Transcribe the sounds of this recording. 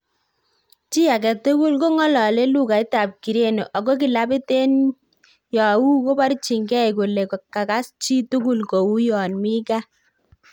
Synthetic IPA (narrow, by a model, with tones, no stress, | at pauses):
t͡ʃi˦a˨k̬ɛ˨tu˦ku˦lko˦ŋɔ˦lɔ˨le˦lu˦ka˨i˦ta˨p̚ki˨ɾe˦no˨ʔa˨ko˦k̬i˨la˦bi˦te˦n | jɔ˨wu˦ko˦ba˦ɾi˦t͡ʃi˨ŋɡɛ˦jko˨le˨kɔ˨kːa˨ka˦st͡ʃi˦tu˦ku˦lko˨wu˦jɔ˨nmi˦ka˦